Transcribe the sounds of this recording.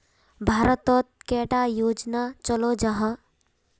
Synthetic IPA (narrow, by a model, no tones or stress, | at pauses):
bʱaːɾət̪ɔt̪̚keːʈajoːd͡ʒnat͡ʃɔlod͡ʒaɦə